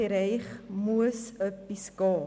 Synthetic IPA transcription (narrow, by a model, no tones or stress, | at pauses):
iɾɛjχmuəsəpiskɑː